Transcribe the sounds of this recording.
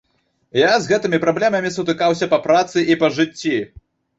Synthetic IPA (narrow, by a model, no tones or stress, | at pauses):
jazɣɛt̪ɨmʲipɾablʲɛmɐmʲisut̪ɨkawsʲɐpɐpɾat̪sɨʔipɐʐɨt͡sʲːi